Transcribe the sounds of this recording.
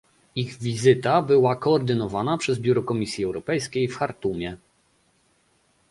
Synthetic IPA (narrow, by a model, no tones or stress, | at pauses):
iɣvʲizɘt̪abɘwakɔːɾd̪ɘnɔvanapʂɛzbʲjuɾɔkɔmʲisʲjiɛwɾɔpɛjskʲejfxaɾt̪umʲjɛ